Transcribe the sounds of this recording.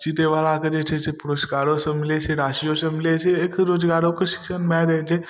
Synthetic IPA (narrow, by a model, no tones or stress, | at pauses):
t͡ʃit̪eʋalaked͡ʒet͡ʃʰesepʊɾoskaːɾosɐmɪlet͡ʃʰeɾaːʃijosɐmɪleseekɾoːd͡ʒɡaːɾokəsi̥ʃənmɛɾed͡ʒʰe